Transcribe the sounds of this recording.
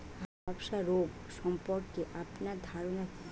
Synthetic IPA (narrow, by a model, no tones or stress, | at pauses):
ɔbʃaɾoɡsɔmpɔɾkeʔapnad̪ʱaɾona